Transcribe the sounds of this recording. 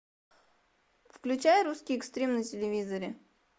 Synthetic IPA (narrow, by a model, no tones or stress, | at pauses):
fklʲʉt͡ɕæjəɾuskʲɪjɪkst̪ɾʲemnətʲɪlʲɪvʲizəɾʲɪ